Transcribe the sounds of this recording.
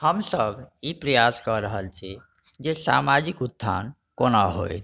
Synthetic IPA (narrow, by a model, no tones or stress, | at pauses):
həmsəbʱipɾəjaskəɾəɦəlt͡ʃʰi | d͡ʒesa̰mad͡ʒikud̪ʱːa̰n | konaɦo̰jt̪ʰ